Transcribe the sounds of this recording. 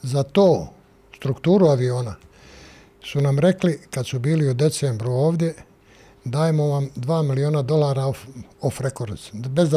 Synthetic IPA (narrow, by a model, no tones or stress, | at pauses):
zat̪oː | st̪ɾukt̪uːɾuaʋio̞ːna | sunamɾe̞klikad̪subiːliud̪e̞t̪sembɾuo̞ːʋd̪ʲje̞ | d̪aːjemo̞ʋamd̪ʋaːmilio̞ːnad̪o̞laːɾaoofɾekoɾsbez